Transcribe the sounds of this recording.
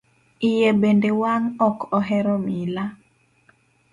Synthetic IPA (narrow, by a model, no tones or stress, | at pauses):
ɪjebendewaŋɔkɔɦɛɾɔmila